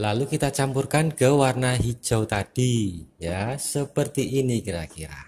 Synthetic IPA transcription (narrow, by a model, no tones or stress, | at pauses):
lalukit̪at͡ʃampurkanɡ̥ə̤warnaɦi̥ʒ̥a̤wt̪ad̥ijasəpərt̪iʔːnikiɾakiɾa̰